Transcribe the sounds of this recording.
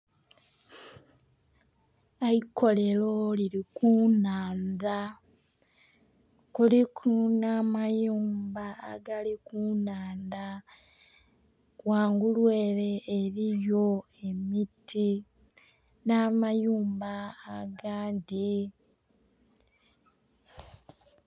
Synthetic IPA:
aiko̞le̞lo̞liɾikunaːnða | kulikunamajuːmba̰ːɡalikunaːnda | waːŋɡulweːle̞ːɾijo̞ | e̞mitʰi | namajuːmbaːɡaːndi

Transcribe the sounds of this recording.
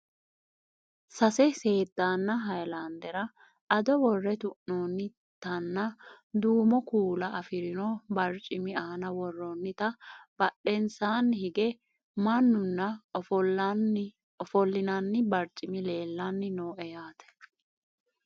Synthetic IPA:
sɐsɛse̞ːd̪ːaːnːɐɦɐjland̪ɛɾɐ | ʔɐd̪ɔwɔrːɛt̪ʊʔnoːnːɪ | t̪ɐnːɐ | d̪uːmɔkuːlɐɐfɪɾɪnɔbɐɾt͡ʃʼːɪmɪaːnɐwɔrːɔnːɪt̪ɐb̥ɐɗːɛnsaːnhɪɡɛ | mɐnːʊnːɐɔfɔln | ɔfɔlːɪnɐnːɪbɐɾt͡ʃʼɪmɪle̞ːlːɐnːɪnoːʔɛjaːt̪ʰɛ̥

